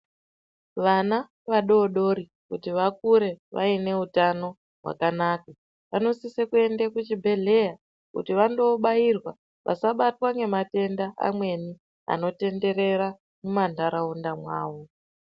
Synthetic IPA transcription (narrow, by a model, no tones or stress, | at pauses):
ʋana | ʋaɗo̞ːɗo̞ɾi | kutiʋak̚uɾe̞ʋʔa̰ine̞utano̞ | ɦwa̰kanaːka | ʋano̞sisekue̞ndekut͡ʃibʱe̞ɮe̞ja | kṵtiʋando̞ɓajirwa | ʋʔa̰saɓatwaŋɡe̞mate̞ndaa̰mwe̞ni | a̰no̞te̞nde̞ɾe̞ɾa | mumandaɾaundamwaːwo̞